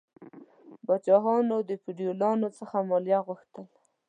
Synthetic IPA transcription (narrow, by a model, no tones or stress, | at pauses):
bɑt͡ʃɑɦɑnod̪əfiɖijolɑnot͡səxamɑljaɣʊxt̪əl